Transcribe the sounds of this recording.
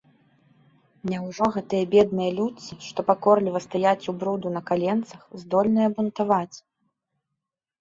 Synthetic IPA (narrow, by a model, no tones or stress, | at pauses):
nʲɛwʐɔɣɛt̪ɨjɐbʲɛd̪̚nɨjɐlʲut͡sʲːiʂt̪ɔpakɔrlʲivɐst̪ajat͡sʲubɾud̪unɐkalʲɛnt̪sɐxzd̪ɔlʲnɨjɐbunt̪avat͡sʲ